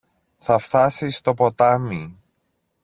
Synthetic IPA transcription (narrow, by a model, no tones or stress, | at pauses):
θɐft̪ɐsist̪o̞po̞t̪ɐmi